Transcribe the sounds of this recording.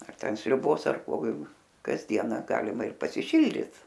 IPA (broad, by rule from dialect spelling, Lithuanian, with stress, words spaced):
ɐr ˈtʲɛn sʲrʲʊˈboːs ɐr ˈkoː kɐzʲˈdʲiɛnɐ ˈɡɑːlʲɪmɐ ɪr pɐsʲɪˈʃʲɪlʲdʲɪt